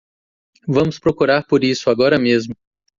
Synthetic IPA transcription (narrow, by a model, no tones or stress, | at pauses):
vɐ̃mʊspɾokuɾaɾpoɾisʊaɡɔɾɐmezmʊ